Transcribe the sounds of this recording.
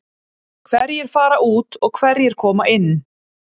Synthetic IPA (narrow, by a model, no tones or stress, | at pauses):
kʰvɛɾjɛɾ̥faːɾaʔuːt̪ɔɣkʰvɛɾjɛɾ̥kʰɔːmaʔɪnː